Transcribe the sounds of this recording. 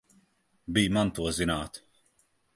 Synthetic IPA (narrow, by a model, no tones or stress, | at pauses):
biːmɐnt̪uɔzɪnaːt̪